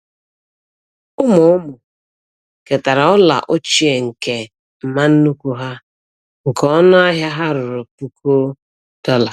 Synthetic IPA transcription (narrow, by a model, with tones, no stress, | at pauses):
ʊ˦mʊ˨ʊ˦mʊ˨ | ke˨ta˨ɾa˨ɔ˦la̰˨ʔo˦t͡ʃi˦e˨ŋ̩˨ke˨ | m̩˨ma˦n̩˦nu˦ku˦ɦa˦ | ŋ̩˨kɔ˦nʊ˦a˦ɦja˦ɦa˦ɾʊ˨ɾʊ˨pu˦ko˦ | d̥ɔ˦la˨